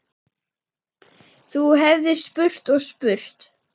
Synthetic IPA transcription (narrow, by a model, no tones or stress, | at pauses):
θuɦɛvðɪspʏr̥t̪ɔɣspʏr̥t̪